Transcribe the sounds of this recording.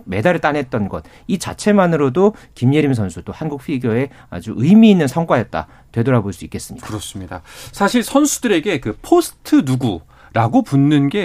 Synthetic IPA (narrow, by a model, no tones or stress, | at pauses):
me̞daɾɯɭt͈anɦe̞t̚t͈ʌnɡʌ̰t̚ | it͡ɕa̰t͡ɕʰe̞manɯɾodokimjeɾims̬ʰʌnsʰut͈ohanɡuk̚ɸ͈ʰiɡjʌe̞ | a̰d͡ʑuʔɯjmiːnːɯnsʰʌŋk͈wajet̚t͈a̰ | twe̞dʌɾaboɭs͈uik͈e̞s͈ɯmɲikakɯɾʌs͈ɯmɲida̰sʰaɕʰiɭsʰʌnsʰudɯɾe̞ɡe̞kɯpʰosʰɯ̥tʰɯnuɡu | ɾaɡopunːɯnɡe̞